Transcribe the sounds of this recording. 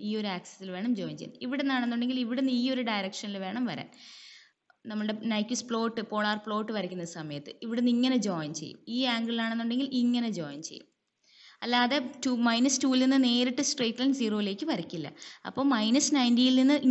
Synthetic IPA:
iːo̞ɾuaːksɐ̥silʋe̞ːɳɐmd͡ʑo̞ːjnt͡ɕejːnːɨiʋiɽenːaːɳenːuɳɖe̞ŋɡiliʋiɽenːɨiːo̞ɾuɖɐjɾɐkʂɐnilʋe̞ːɳɐmʋɐɾa̰ːn | nɐmːuɭɨɽenɐjkʲːuspɭo̞ːʈːɨpo̞ːɭaːrpɭo̞ːʈːɨʋɐɾikʲːunːɐðɨsɐmɐjɐt̪ːɨiʋiɽenːiŋːɐne̞d͡ʑo̞ːjnt͡ɕe̞jːṵmiːaːŋɡɭilaːɳenːuɳɖe̞ŋɡiliŋːɐne̞d͡ʑoːjnt͡ɕe̞̰jːṵm | ɐlːɐɐðetuːmɐjnɐstuːilninːɨne̞ːɾiʈːɨsʈreːʈːlɐnsiːro̞ːile̞ːkʲːɨpɐɾɐkʲːilːɐ̰ɐ̰pːo̞ːmɐjnɐsnɐjndijilninːɨʔ

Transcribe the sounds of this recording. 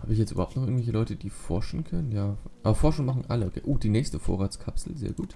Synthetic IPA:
haːbəɪçjɛt͡stʔyːbɐhaʊptnɔχʔɪɡŋ̩vɛlçəlɔʏtəd̥iːfɔɐʃn̩kʰœnənjaːʔʔaːbɐfɔɐʃŋ̩maχn̩ʔaləʔokʰḛːʔoːd̥iːnɛːçstəfo̰ːʁaːt͡skʰapsl̩zḛːɐɡuːt

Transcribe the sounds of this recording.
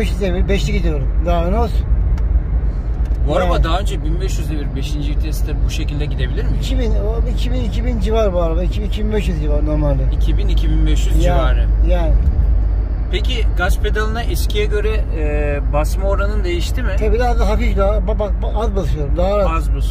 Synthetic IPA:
ɛʃyzd̪eβiɾbɛʃt̪ʰɛɟid̪ijo̞ɾumd̪anosu̥ | baɾamad̪aɦaø̞nd͡ʒɛbinbɛʃjyzd̪ebiɾbeʃind͡ʒiiɾt̪ʰiest̪ʰɛbuʃecilʲd̪ɛɟid̪e̞bilʲiɾmiicʰibinoicʰibinicʰibind͡ʒivaɾbuaɾad̪aicʰibinicʰibinbɛʃjyzd͡ʒivaɾno̞ɾmalʲmɛicʰibinicʰibinbɛʃjyzjd͡ʒiavaːɾɯjæːnɪ | pʰecʰiɡaspʰed̪alˠɯnaʔɛscʰʲijɛɟø̞ɾɛː | basmaoɾanɯnd̪e̞jiʃt̪ʰimɪt̪ʰabid̪azd̪aɦafifd̪ababakbazbasɯʃɯjo̞ɾumd̪aɦaɾaazbus

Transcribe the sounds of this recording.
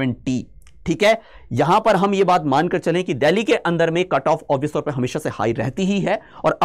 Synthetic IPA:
ə̃ɳʈi | ʈʰiːkɦɛːjɐɦãpɐɾɦɐmjebaːt̪maːnkɐɾt͡ʃɐlẽkid̪ɛːlikeʔɐ̃nd̪əɾmẽkɐʈɔːfɔːʋɪst̪ɔːɾpɐɦɐmeːʃaseha̰ːiɾɛ̰ɦt̪iɦiɦɛɔːɾɐ

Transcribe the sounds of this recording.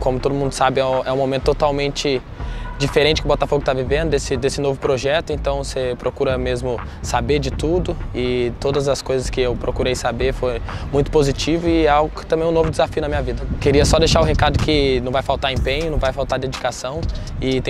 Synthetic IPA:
kõmʊt̪od̪ʊmũnd̪ʊsabɪɛ̃ɛũmõmẽnt̪ʊt̪ot̪awmẽnt͡ʃɪ | d͡ʒifeɾẽnt͡ʃɪkʊbɔt̪afoɡʊt̪avivẽd̪ʊd̪esɪd̪esɪnovʊpɾoʒɛt̪ʊẽnt̪ɐ̃w̃sepɾʔokuɾɐmezmʊ | sabeɾd͡ʒɪt̪ud̪ʊɪt̪od̪ɐzɐskojzɐskɪewpɾokuɾejsabeɾfojmũj̃t̪ʊ̥pozit͡ʃivʊɪɛawɡʊkɪt̪ɐ̃mbẽj̃novʊd͡ʒɪzafiʊnɐmĩɲɐvid̪ɐkeɾiɐsɔd̪ejʃaɾʊɦekad̪ʊkʰɪnɐ̃w̃vajfawt̪aɾẽmpẽɲʊnɐ̃w̃vajfawt̪aɾd̪ed͡ʒikasɐ̃w̃ | ɪt̪ẽ

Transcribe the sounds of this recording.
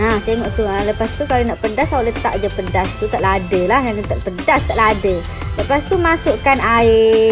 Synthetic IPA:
aht̪eŋɔʔt̪ualəpast̪ukalinəʔpəndasawlət̪a̰ʔd͡ʒapədast̪ut̪əʔladelahjanət̪əʔpədast̪əʔlade | ləpast̪umasuʔkanai

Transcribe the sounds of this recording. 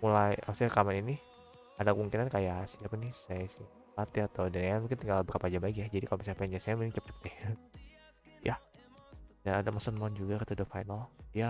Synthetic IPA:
mulajʔa̰pasɲakamanini | adakəmuŋkinankajasiapanɪsajasi | pat̪iat̪awdanajamuŋk̬ɪnt̪iŋɡalbəɾapad͡ʒambaikjad͡ʒadikalomisapɛɲd͡ʒasajamukɪiŋt͡ʃəp̚t͡ʃə̥p̚t̪ɪh | jʔa | danadamɔsənmɔnd͡ʒuɡakat̪adafajnalia

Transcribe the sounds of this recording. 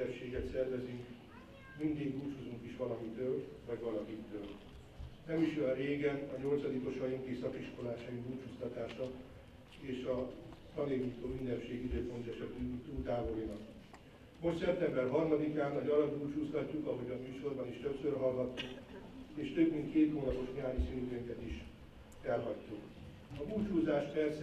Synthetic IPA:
ɛpʃeːɡɛt̪sɛrvɛzyŋk | mind̪iɡɡuːt͡ʃuzuŋkiʃʋɒlɒmit̪øːlvɒɟvɒlɒkit̪øːl | nɛmiʃjɛreːɡɛnɒɲo̞lt̪sɒd̪iko̞ʃɒjiŋk̪isɒkiʃko̞laːʃɒjiɡuːlt͡ʃust̪ɒt̪aːʃɒ | eːʃɒt̪ɒneːɲiːt̪oːmind̪ɛpʃeːɡiid̪øːpo̞nt̪ɛʃɛt̪yit̪uːlt̪aːvolinɒk | mo̞ʃt̪sɛp̚t̪ɛmbɛrɦɒrmɒd̪ikaːnːɒɟɒlɒd̪ult͡ʃuːst̪ɒcːukɒɦo̞ɟɒmyːʃo̞rbɒniʃt̪øpsørɦɒlɡɒt̪ːukeːʃt̪ø̞bmint̪keːt̪hoːnɒpo̞ʃɲaːɲisink̪øŋkɛt̪iʃ | fɛlɦɒct̪uk | ɒbuːt͡ʃhuːzaːʃpɛrs

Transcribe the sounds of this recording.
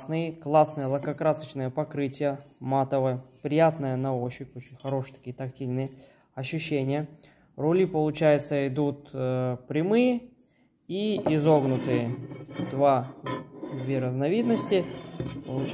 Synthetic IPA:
snɨjəklˠasnɨjəlˠəkɐkɾasət͡ɕnəjəpɐkɾɨtʲɪjəmat̪əvəpɾʲɪjat̪nəjənɐoɕːɪpʲot͡ɕɪnʲxɐɾo̞ʂɨjt̪ɐ̥kʲijət̪ɐk̚tʲilʲnɨjə | ɐɕːʉɕːenʲɪjə | rʊlʲipəlˠʊt͡ɕæjɪt̪səɪd̪ut̪pɾʲɪmɨjə | iɪzoɡnʊt̪ɨjəd̪va | d̪vʲeɾəznɐvʲid̪nəsʲtʲɪpəlˠʊ

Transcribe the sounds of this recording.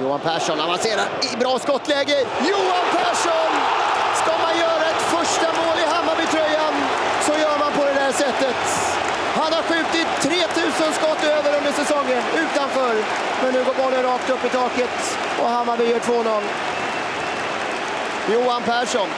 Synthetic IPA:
juːa̰npʰæːʂɔnhananseːɾaɾɪbɾɑːskɔt̪ːlɛːɡəjuːanpʰæːʂɔnskamanjœːɾaɛt̪fœʂʈamoːlɪɦamːabɪt̪ʰɾœjːan | sɔjœːɾmanpɔd̪ɛd̪æːʂɛt̪ːət̪ | hanhaɾɧʉ̟ːt̪ɪt̪ʰːɾeːt̪ʰʉ̟ːsənskɔt̪ːøːvəɾɵnd̪əʂɛsɔŋːənʉ̟ːt̪anfœːɾ | mɛnːʉ̟ːɡoːbɔlːəɾɑːkt̪ɵpːɪt̪ʰɑːkət̪ | ʔɔ̰hamːabɪjœːʈʰvoːnɔl | juːanpʰæːʂɔn

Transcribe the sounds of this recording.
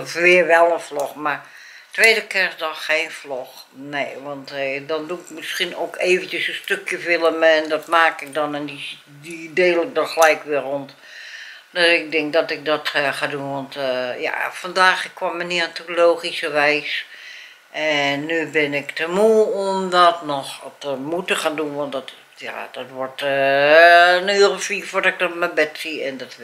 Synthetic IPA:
ʋɪərʋɛlˠənfloxmar | tʋeːdəkɛrsdɔxeːnflox | neːʋɔntdɔnduɪkmɪskinoːkeːvəntjəsəstøkjəʋɪlˠəmɛndɔtmaːkɪk̚dɔnɛndi | dideːlɪk̚dɔxəlɛjkʋɪəront | dɔɪk̚dɪŋk̚dɔtɪk̚dɔtxadunʋɔntja̰fɔndaːxkʰːwɔməniantuloːxisəʋɛjs | ɛnːybɪnɪktəmuomdɔtnɔxtəmutəxaːndunʋɔntdɔt | ja̰d̥ɔtʋɔrt | nøːərəfifʊdɪk̚dɔtməbɛtsiɛndɔt

